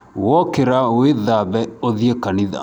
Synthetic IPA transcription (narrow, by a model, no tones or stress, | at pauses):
wɔkeɾaweðaβɛoðiekaniða̰